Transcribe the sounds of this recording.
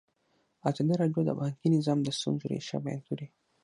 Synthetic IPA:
at͡ʃandeɾadioda̰baŋkʲinizamd̪asṵnzuɾḛʃa̰baa̰nt̪uɾe

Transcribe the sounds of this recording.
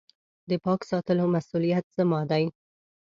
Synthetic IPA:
d̪əpɑksɑt̪əlomasulijat̪zamɑd̪aj

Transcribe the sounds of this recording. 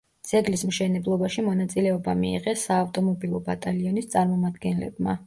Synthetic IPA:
d̪z̥ɛɡlismʃɛnɛblˠɔbaʃimɔnat̪sʼilɛɔbamḭːʁɛsaːft̪ʼɔmɔbilˠɔbat̪ʼaliɔnist̪sʼaɾmɔmad̪ɡɛnlɛ̰bma̰

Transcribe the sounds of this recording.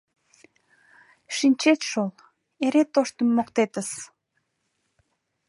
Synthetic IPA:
ʃinʲt͡ɕet̪ʃol | eɾet̪oʃt̪əmːokt̪et̪əs

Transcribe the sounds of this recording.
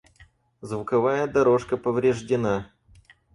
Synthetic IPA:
zvʊkɐvajəd̪ɐɾo̞ʂkəpəvɾʲɪʐdʲɪna

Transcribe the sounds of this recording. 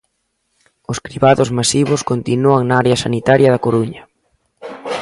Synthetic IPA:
ʊskɾiβaðʊzmasiβʊskont̪inuaŋnaaɾeɐsanit̪aɾjɐðɐkoɾuɲɐ

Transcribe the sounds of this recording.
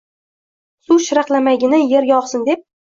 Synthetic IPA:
suʃɪɾɑqlˠamaɡʲɪnɪje̞ɾɡʲaɒqsɪnd̪e̞p̚

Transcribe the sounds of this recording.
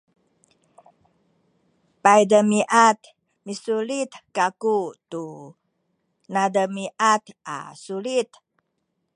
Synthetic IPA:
pajdəmiʔat̪ | misulit̪kakut̪u | nadəmiʔat̪ʔa̰sulit̪

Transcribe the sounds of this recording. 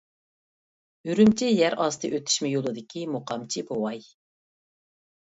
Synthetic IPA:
yɾymt͡ʃʰijæɾʔɑst̪ʰɨʔøt̪ʰy̥ʃmɪjolˠɨd̪ɪkʲimoqʰɑmt͡ʃʰibowɑj

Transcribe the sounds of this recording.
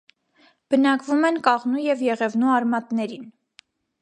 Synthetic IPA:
b̥ənɑkvumɛnkɑʁnujɛvjɛʁɛvnuɑɾmɑt̪nɛɾin

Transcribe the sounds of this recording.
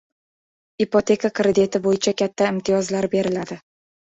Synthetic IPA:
ipot̪ʰe̞kʰakʰɾed̪et̪ʰɪbojɪt͡ʃʰakʲat̪ʰːaɪmt̪ʰɪjɒzlaɾbe̞ɾɪlad̪ɪ

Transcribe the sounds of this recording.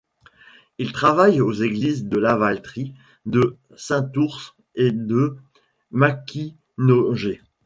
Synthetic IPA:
ilt̪χavajozeɡlizd̪əlavalt̪χi | d̪ə | sɛ̃t̪uʁs | ed̪ə | makʲi | noʒe

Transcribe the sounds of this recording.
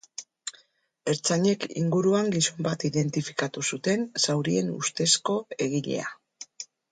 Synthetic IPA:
e̞ɾt͡saɲe̞kḭŋɡuɾuaŋɡiso̞mbat̪iðe̞nt̪ifi̥kat̪usut̪e̞nsawɾie̞nṵst̪e̞sko̞e̞ɣiʎe̞̰a̰

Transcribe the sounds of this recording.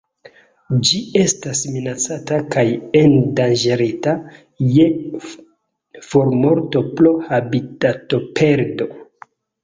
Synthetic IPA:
d͡ʒie̞stasminat͡satakajendand͡ʒeɾita | je̞ | foɾmo̞ɾto̞plohabitato̞pʰe̞ɾdo̞

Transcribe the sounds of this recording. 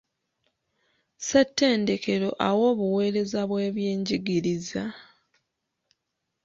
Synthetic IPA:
setːe̞ːnde̞ke̞ɾo̞̰ʔawo̞ːβuwe̞ːɾe̞zaβwe̞ːβjeːɲɟiɡiɾiza

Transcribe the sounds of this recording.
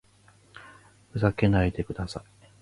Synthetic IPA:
ɸɯ̟zake̞nait̪e̞kɯ̟d̪asai

